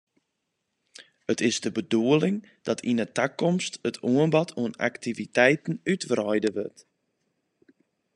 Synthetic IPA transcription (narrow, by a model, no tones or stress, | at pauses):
ətɪzdəbəduəlɪŋ | d̥ɔtʰinətakɔmstətʰuənbɔtʰuəna̰ktivitɛjtn̩ytʋrɔjdəʋøt